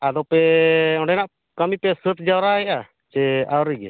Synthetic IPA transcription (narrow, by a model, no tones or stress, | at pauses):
ad̪ɔpɛɔɳɖɛnaʔ | kamipɛsət̪̚d͡ʒawɾaɦɛʔa | t͡ʃɛawɾiɡɛ̰